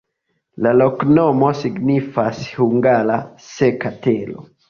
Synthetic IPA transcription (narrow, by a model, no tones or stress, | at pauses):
laloknomo̞siɡnifashuŋɡalasekatelo̰